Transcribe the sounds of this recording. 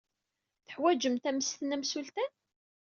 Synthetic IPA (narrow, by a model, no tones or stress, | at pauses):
θəħwæd͡ʒəmt̪æməst̪næmsult̪æn